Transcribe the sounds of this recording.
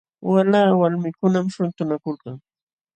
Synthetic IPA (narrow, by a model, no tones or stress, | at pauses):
walaːwalmɪkʊnamʃʊnt̪ʊnakʊlkaŋ